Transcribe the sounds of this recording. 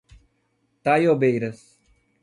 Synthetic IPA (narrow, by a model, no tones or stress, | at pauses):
t̪aːjoːbejɾɐs